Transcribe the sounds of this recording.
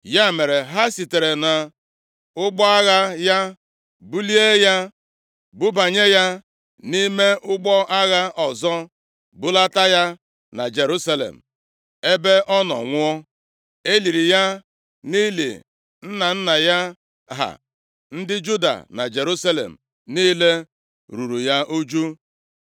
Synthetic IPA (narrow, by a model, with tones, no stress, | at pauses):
ja˦˨me˨ɾe˨ɦa˦si˨te˨ɾe˨na˨ | ʊ˦ɡ͡bɔ˦a˦ɣa˦ja˦ | bu˦li˦e˦ja˦ | bʊ˦ba˨ɲe˦ja˦ | ni˦me˦ʔʊ˦ɡ͡bɔ˦ʔa˦ɣa˦ʔɔ˨zɔ˦ | bʊ˦la˦ta˦ja˦ | na̰˨d͡ʒe˨ɾu˦sa˦lḛ˨m̩˨ | e˦be˦ʔɔ˦nɔ̰˨ŋʷʊ˦ɔ˦ | e˦li˨ɾi˨ja˦ | ni˦lḭ˨ | n̩˦na˨n̩˦na˨ja˦ | ɦa̰˨ | n̩˦dɪ˦d͡ʒu˦da̰˨na̰˨d͡ʒe˨ɾu˦sa˦lḛ˨m̩˨ | niː˦le˦ | ɾu˨ɾu˨ja˦ʔu˦d͡ʒu˦